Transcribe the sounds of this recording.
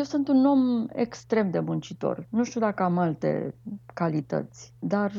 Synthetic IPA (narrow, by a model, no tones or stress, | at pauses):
jewsɨnt̪uno̞mḛkst̪ɾe̞md̪e̞mɨnt͡ʃit̪o̞̰rnuʃt̪iud̪akəamalt̪e̞̰kalit̪ə̰t̪sʲd̪ar